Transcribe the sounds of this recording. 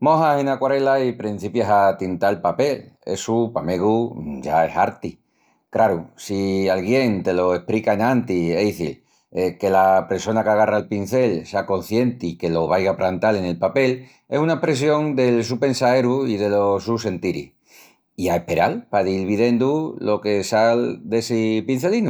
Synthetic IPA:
mõ̞ɦasenakwaɾe̞laipɾin̟θipjaɦat̪int̪aelpape̞le̞̰supame̞ɣud͡ʒae̞̰saɾt̪i | kɾaɾusialɣ̞je̞ŋt̪e̞lo̞e̞hpɾikaenãnt̪iejθil | eke̞lape̞ɾso̞nakaɣ̞araelpin̟θe̞lseako̞nθje̞nt̪ike̞lo̞β̞ajɣapɾant̪ale̞ne̞lpape̞l | e̞sunaepɾe̞sjo̞ŋd̪e̞ls̬upe̞nsaeɾuiðe̞lo̞suse̞nt̪iɾḭ | iae̞hpe̞ɾalpaðilβiðe̞nd̪ulo̞ke̞sald̪e̞sipin̟θe̞linu

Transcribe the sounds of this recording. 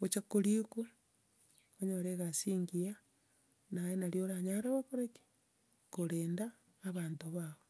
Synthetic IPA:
ɣot͡ʃakoɾiku | oɲoɾeɣasiːŋɡia | najenaɾjoɾaɲaɾaβakoɾeki̥ | koɾeːndaː | βaːntoβaβo

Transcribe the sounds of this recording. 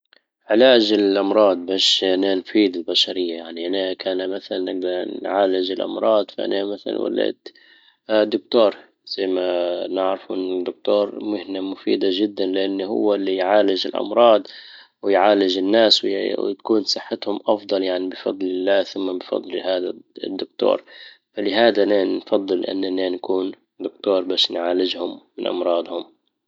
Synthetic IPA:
ʕɪlaːd͡ʒɪlʔɑmɾˤɑːd̪̚baːʃʔananfiːd̪ɪlbaʃaɾɪjːajaʕniʔanakʰaːnamaθalanːɪɡ̚d̪ɑɾˤnʕaːlɪd͡ʒɪlʔɑ̰mɾˤɑːd̪faʔa̰namaθala̰nwa̰lːḛːt̪ | d̪ːʊk̚t̪oːɾˤ | z̥ajːmanɪʕɾɪfʔnɪd̪ːʊk̚t̪oːɾˤmʊhnamʊfḭːd̪aʒɪd̪ːanlɪʔanːhʊ̰wːalːijʕaːlɪd͡ʒɪ̰lʔɑ̰mɾˤɑːd̪ˤ | wɪjʕaːlɪd͡ʒɪnːaːsw̰t̪kuːnsˤɨħːat̪hʊmʔɑfd̪ˤɑljaʕnibɪfɑd̪ˤlɪlːaːθʊmːabɪfɑ̰d̪ˤlhaːd̪ad̪ːʊk̚t̪o̰ːɾˤ | falɪɦaːd̪ananfɑd̪ˤːɨlʔa̰nːanːaːnakuːn | d̪ʊkt̪oːɾˤbaːʃnʕaːlɪd͡ʒhʊmːɪnʔɑ̰mɾˤɑːd̪hʊm

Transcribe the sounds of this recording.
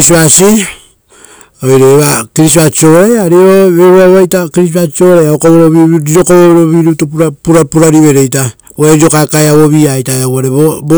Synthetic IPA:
sasi | ojɾeːβakiɾisat͡ʃioɾajaɾioβeɾuaβajtakiɾis̬aoɾajaokoβeɾoβiɾiɾo̞koβoβeɾoβiɾutupuɾapuɾapuɾaɾiβe̞ɾe̞jta | oeɾiɾo̞kakaeaβoβiajtaeawaɾeβobo

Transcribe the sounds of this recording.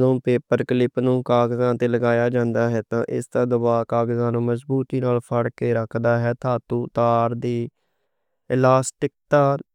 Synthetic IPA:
d̪õːpeːpəɾklɪpnũːkaːɡzãːt̪eːləɡaːjaːd͡ʒãːnd̪aːɦɛːt̪ã̰ːʔɪ̰sd̪aːd̪ʊbaːkaːɡzãːnũːməsbuːt̪iːnaːlpʰəɽkeːɾəkʰd̪aːɦɛːt̪ʰaːt̪uːt̪aːɾd̪iː | laːsʈɪk̚t̪aː

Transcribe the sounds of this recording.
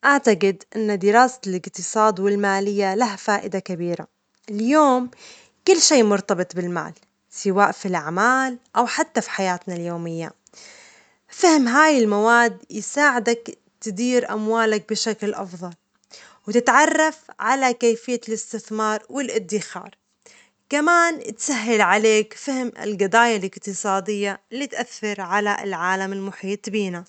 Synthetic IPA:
ʔaʕt̪aqɪd̪ʔɪnːad̪ɪɾɑːsalɪqt̪ɨsˤɑːd̪wɪlmaːlɪjːalaɦafaːʔɪd̪akabiːɾa̰ | ɪljoːm | kʊlːʃiːmʊɾt̪ɑbɨt̪ˤbɪlma̰ːl | sɪwaːʔfilʔaʕmaːlʔawħat̪ːafi̥ħajaːt̪naljoːmɪjːa̰ | fɪhɪmɦaːjɪlmawaːd̪jɪsaːʕɪd̪ak | t̪ɪd̪iːɾʔa̰mwaːlak̚bɪʃaklʔɑ̰fðˤɑl | wɪt̪ɪt̪ʕɑrˤːɑfʕalakeːjfɪjːalɪst̪ɪθmɑːɾˤwɪlʔɪd̪ːɪxɑ̰ːɾˤ | kamaːnt̪saɦːalʕaleːkfɪhɪmɪ̰lɡɑd̪ˤaːjalɪqt̪ɨsˤɑːd̪ɪjːalːit̪ʔaθːɪɾʕalaɪ̰lʕaːlamɪlmʊħiːt̪ˤbiːna

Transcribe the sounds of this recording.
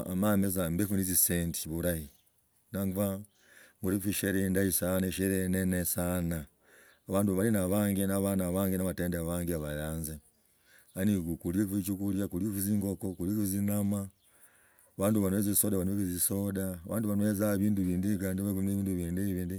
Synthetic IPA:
mamezambekunizisenti̥βuɾaji | naŋɡuva | muɾifiʃeɾendaisaneʃeɾenenesanaː | βaːnduβalinaβaːŋɡinaβanaβaːŋɡinaβateːndeβaːŋɡiaβajaːnze | aniɡukuljekfit͡ʃukuljakuljeuziːŋɡokokuljekizinama | βaːnduβanueziisodaβanuekizisodaːβa̰ːnduβanuezaβiːnduβiːndikaːndiβakuneβiːnduβiːndiβiːndi

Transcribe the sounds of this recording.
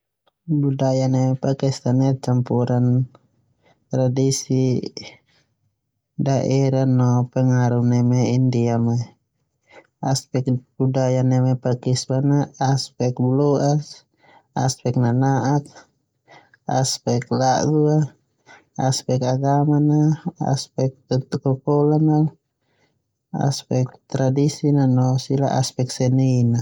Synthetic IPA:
budajanɛmɛpakist̪anɛt͡ʃampuɾan | t̪ɾadisi | daʔɛɾanɔpɛŋaɾunɛmɛindiama | aspɛk̚budajanɛmɛpakistanaaspɛk̚blɔas | a̰spɛk̚nanaʔak̚ | aspɛklaʔd̪ua | aspɛkaɡamanaa̰spɛk̚t̪t̪ukɔpɔlana | a̰spɛk̚t̪ɾadisinanɔsila̰ʔa̰spɛk̚sɛnina

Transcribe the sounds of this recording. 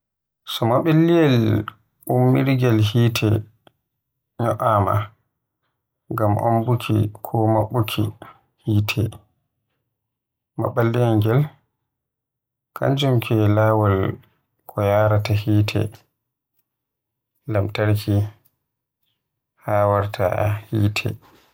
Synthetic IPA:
sɔmaɓilːijɛl | umːiɾɡɛlhiːtʰɛ̰ | ɲɔʔama̰ | ŋɡamʔo̰mbukʰḭkʰɔmaɓːukʰḭ | hiːtʰɛ | ma̰ɓːalːɛŋɡɛl | kʰa̰ɲd͡ʒumkʰɛlaːwal | kʰɔjaːɾatahiːtʰɛ̰ | lamtaɾki | haːwaɾtʰa̰hiːtʰɛ̰

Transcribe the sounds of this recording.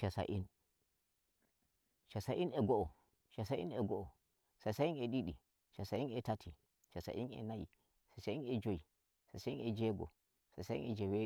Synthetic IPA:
ʃasa̰ʔin | ʃasaʔinɛɡɔʔɔ | ʃasaʔḭɛɡɔʔɔ | sasainɛɗiɗi | ʃasaʔinɛtatʰi | ʃasa̰ʔḭnɛ̰najḭ | sasainɛd͡ʒoi | sasainɛd͡ʒɛɡɔ̰ | sasaḭnʔɛd͡ʒɛwe

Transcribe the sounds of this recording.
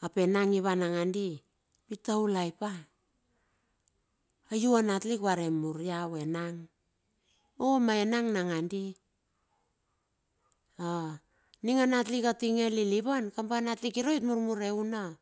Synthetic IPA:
ape̞naŋiβanaŋandi | pitaulajpa | ajuanatlikβaɾe̞muɾjawe̞naŋ | omaenaŋnaŋandi | a | niŋanatlikatiŋeliliβankampanatlikiɾojtmuɾmuɾe̞una

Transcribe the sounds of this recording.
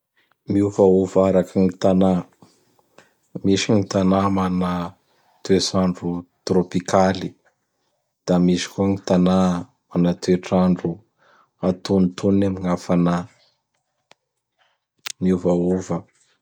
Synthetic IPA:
miuvaovaɾakiŋit̪ana | miʃiŋit̪anamana | t̪uesaɳɖ͡ʐut̪ropikʰali | d̪̥amisi̥kuaŋit̪ana | manat̪ueʈ͡ʂaɳɖ͡ʐu | at̪unt̪unemiŋafana | miuvaovə

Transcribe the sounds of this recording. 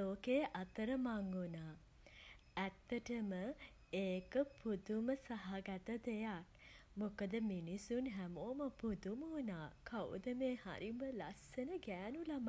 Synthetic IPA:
oːkeːʔat̪əɾəmaŋɡunaː | æt̪ːəʈəmə | eːkəpʰud̪uməsaɦaɡat̪əd̪ejak̚mokəd̪əminisunɦæmoːməpud̪uməunaːkʰaw̰d̪əmeːha̰ɾiməlasənəɡæːnulam

